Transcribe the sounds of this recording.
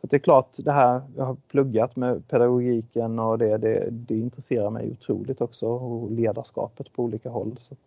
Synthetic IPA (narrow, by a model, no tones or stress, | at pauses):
fat̪d̪ɛːɾkʰlɑːʈd̪ɛɦæːɾjɑːɡhaɾpʰlɵɡːat̪mɛpʰɛd̪aɡʊɡiːkənɔd̪ɛd̪ɛ̰d̪ɛɪnt̪ɾɛseːɾaɾmɛ̰jʊ̰t̪ʰɾṵːlɪɡ̚t̪ɔksɔɔleːd̪aʂkɑ̰ːpət̪pʰɔuːliːkaɦɔ̰lːsɔt̪